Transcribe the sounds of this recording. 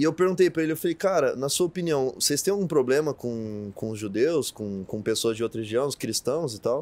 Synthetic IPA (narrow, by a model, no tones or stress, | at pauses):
ɪewpeɾɡũt̪ejpɾɐelɪewfalejkaɾɐnɐsuɐopiniɐ̃w̃osejst̪ẽj̃awɡũpɾoblẽmɐkõkõʊzʒud̪ewskõkõpesoɐzd͡ʒɪowt̪ɾɐheʒiɐ̃w̃ʊskɾist̪ɐ̃w̃zɪt̪aw